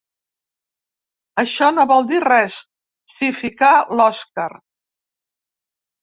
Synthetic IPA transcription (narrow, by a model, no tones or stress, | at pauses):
əʃɔnoβɔlˠd̪irɛs | sifikalɔskaɾ